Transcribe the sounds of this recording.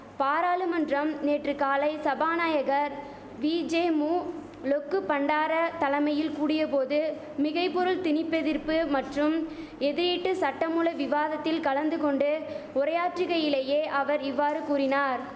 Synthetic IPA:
paːɾaːlɯmɐndrɐmneːʈrɯkːaːlɐɪsɐbaːnaːjɐɣɐɾ | ʋiːd͡ʒeːmuː | lɔkːɯpːɐɳɖaːɾɐt̪ɐlɐmɐjɪlkuːɽɪjɐpoːðɯ | mɪɣɐɪpːɔɾɯlt̪ɪnɪpːɛðɪɾpɯmɐʈrɯm | ɛðɪɾiːʈːɯsɐʈːɐmuːlɐʋɪʋaːðɐt̪ːɪlkɐlɐnd̪ɯkɔɳɖɯʊɾɐjaːʈrɪɣɐjɪleːjeːʔɐʋɐɾɪʋːaːɾɯkuːɾɪnaːɾ

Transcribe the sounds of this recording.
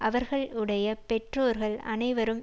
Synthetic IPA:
ʔɐʋɐɾɣɐɭɪɽɐjɐpɛʈroːɾɣɐɭɐ̰nɐɪʋɐɾɯm

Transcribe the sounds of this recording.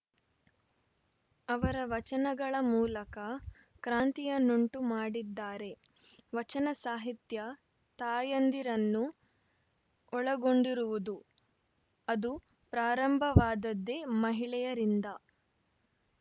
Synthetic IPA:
ɐʋɐɾɐʋɐt͡ʃɐnɐɡɐɭɐmuːlɐkɐ | kɾaːnt̪ijɐnuɳʈumaːɽid̪ːaːɾe̞ | ʋɐt͡ʃɐnɐsaːɦit̪jɐ | t̪aːjɐnd̪iɾɐnːu | ɔɭɐɡo̞ɳɖiɾuʋud̪u | ɐd̪u | pɾaːɾɐmbʱɐʋaːd̪ɐd̪ːe̞mɐɦiɭɛjɐɾind̪ɐ

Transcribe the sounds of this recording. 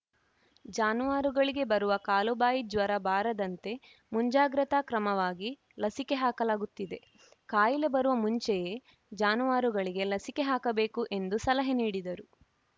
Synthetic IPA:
d͡ʒaːnuʋaːɾuɡɐɭiɡe̞bɐɾuʋɐkaːlubaːjid͡ʒʋɐɾɐbaːɾɐd̪ɐnt̪e̞ | muɲd͡ʒaːɡɾɐt̪akɾɐmɐʋaːɡi | lɐsike̞ɦaːkɐlaːɡut̪ːid̪e̞ | kaːjile̞bɐɾuʋɐmuɲt͡ʃɛjeː | d͡ʒaːnuʋaːɾuɡɐɭiɡe̞lɐsikeɦaːkɐbe̞ːkuʔe̞nd̪usɐlɐɦeniːɽid̪ɐɾu

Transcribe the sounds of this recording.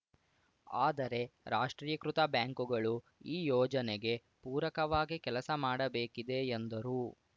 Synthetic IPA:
aːd̪ɐɾe̞ɾaːʂʈɾiːjɐkɾut̪ɐbjaːŋkuɡɐɭu | iːjɔːd͡ʒɐneɡe̞ | puːɾɐkɐʋaːɡikɛlɐsɐmaːɽɐbeːkid̪e̞ːnd̪ɐɾu

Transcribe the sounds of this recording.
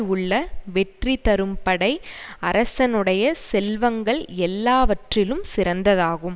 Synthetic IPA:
ʊɭːɐʋɛʈrit̪ɐɾɯmpɐɽɐɪɐɾɐsɐnɯɽɐjɐsɛlʋɐŋɡɐɭɛlːaːʋɐʈrɪlɯmsɪɾɐnd̪ɐðaːɣɯm

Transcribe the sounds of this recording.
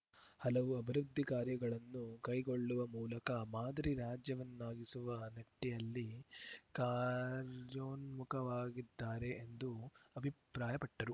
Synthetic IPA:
hɐlɐʋuɐbʱɐɾud̪ʱːikaːɾjɐɡɐɭɐnːukɐjɡo̞ɭːuʋɐmuːlɐkɐmaːd̪ɐɾiɾaːd͡ʒjɐʋɐnːaːɡisuʋɐnɐʈːijɐlːikaːɾjoːnmukʰɐʋaːɡid̪ːaːɾe̞ʔːnd̪uɐbʱipɾaːjɐpɐʈːɐɾu

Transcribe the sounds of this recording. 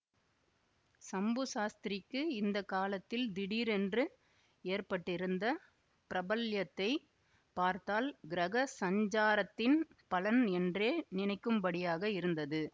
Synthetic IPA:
sɐmbɯsaːst̪ɪɾɪkːɯɪnd̪ɐkaːlɐt̪ːɪld̪ɪɽiːɾɛndrɯ | eːrpɐʈːɪɾɯnd̪ɐ | pɪɾɐbɐljɐt̪ːɐɪ | paːɾt̪aːlɡɪɾɐɣɐsɐɲd͡ʒaːɾɐt̪ːɪnpɐlɐnɛndreːnɪnɐɪkːɯmbɐɽɪjaːɣɐɪɾɯnd̪ɐðɯ

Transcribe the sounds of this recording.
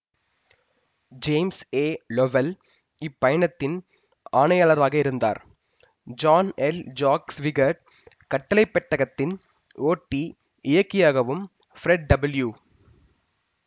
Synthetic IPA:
d͡ʒeːmseːlɔʋɐl | ɪpːɐjɐɳɐt̪ːɪn | aːɳɐjɐlɐɾaːɣɐɪɾɯnd̪a̰ːɾ | d͡ʒaːnɛld͡ʒaːksʋɪɡɐɖ | kɐʈːɐlɐɪpːɛʈːɐɣɐt̪ːɪn | oːʈːi | ɪjɐkːɪjaːɣɐʋɯm | fɾɛɖ̚ɖɐbɐljuː

